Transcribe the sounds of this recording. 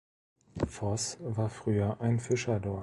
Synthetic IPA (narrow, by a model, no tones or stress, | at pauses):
fɔsvaːɐfʁ̥yːɐʔaɪnfɪʃɐdɔɐ